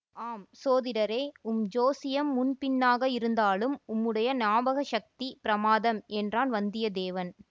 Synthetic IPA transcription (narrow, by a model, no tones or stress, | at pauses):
aːmsoːðɪɾɐɾeːʊmd͡ʒoːsɪjɐmːʊnpɪnːaːɣɐɪɾɯnd̪aːlɯmʊmːɯɽɐjɐnaːbɐɣɐʃɐk̚t̪ipɪɾɐmaːðɐmɛndraːnʋɐnd̪ɪjɐd̪eːʋɐn